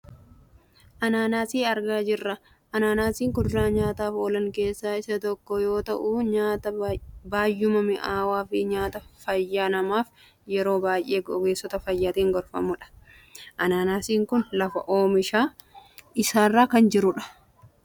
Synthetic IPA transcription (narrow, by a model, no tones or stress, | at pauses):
ʔɐnaːnaːsiːɐɾɡaːd͡ʒɪrːɐ | ʔɐnaːnaːsiːŋkʊd̪ʊɾaːɲaːt̪aːfoːlɐŋke̞ːsːaːɪsɐt̪ɔkːɔjo̞ːt̪ɐʔuːɲaːt̪ɐbaːjːʊmɐmɪʔaːwaːfɪɲaːt̪ɐfɐjːaːnɐmaːf | jɛɾo̞ːbaːjʔe̞ːɡɔɡe̞ːsːɔt̪ɐfɐjːaːt̪iːŋɡɔɾfɐ̰mʊᶑɐ̥ | ʔɐnaːnaːsiːŋkʊnlɐfɐ̰ʔoːmɪʃaː | ɪsaːrːaːkɐnd͡ʒɪɾʊᶑɐ̥